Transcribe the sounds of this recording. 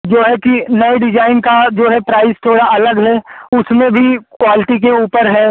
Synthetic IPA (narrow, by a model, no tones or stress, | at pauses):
d͡ʒoːɦɛkinɐeɖɪd͡ʒaːɪnkad͡ʒoːɦɛpɾaːɪst̪ʰoːɽaɐləɡɦɛːʊsmẽbʱikwaːlɪʈik̬euːpəɾɦɛː